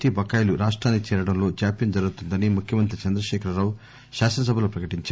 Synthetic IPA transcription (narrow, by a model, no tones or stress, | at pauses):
ʈiːbʱɐkːaːjluɾaːʂʈɾaːnːikit͡ʃɛːɾɐɽɐmlo̞ːt͡ʃaːpjɐnd͡ʒɐɾɡut̪und̪ɐnimukʰjɐmɐnt̪ɾit͡ʃɐnd̪ɾɐʃɛːkʰɾɐɾaːwu | ʃaːsɐnɐs̬ɐbʱɐloːpɾɐkɐʈiɲt͡ʃː